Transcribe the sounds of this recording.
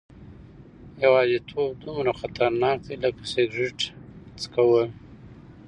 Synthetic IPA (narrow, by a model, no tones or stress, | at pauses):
jawɑzit̪ʰobd̪umɾaxat̪ʰaɾnɑːk̚d̪eləkaseɡʐɪʈt͡skawə